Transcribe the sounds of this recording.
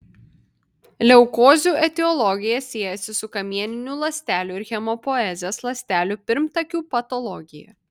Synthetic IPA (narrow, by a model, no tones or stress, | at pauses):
lʲɛʊkoːzʲuːʔɛt̪ʲɛɔlˠɔɡʲɪjɛsʲiːɛjɛsʲɪsʊkɐmʲiɛnʲɪnʲuːlˠɐsʲt̪ʲæːlʲuːɪɾxʲɛmɔpɔɛzʲeːslˠɐsʲt̪ʲæːlʲuːpʲɪɾmt̪ɐkʲuːpɐt̪ɔlˠɔɡʲɪjɛ̰